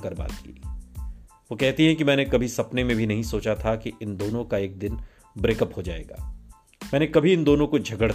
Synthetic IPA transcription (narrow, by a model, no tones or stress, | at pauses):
kɐɾba̰ːt̪kḭ | ʋoːkɛɦt̪iɦɛ̃kimɛ̃ːnekɐbʱisɐpnemẽbʱinɐɦĩsoːt͡ʃat̪ʰakiʔɪnd̪oːnõkaeːk̚d̪ɪn | bɾeːkəphod͡ʒaːḛːɡa̰ː | mɛ̃ːnekɐbʱiɪnd̪oːnõkod͡ʒʱɐɡəɽ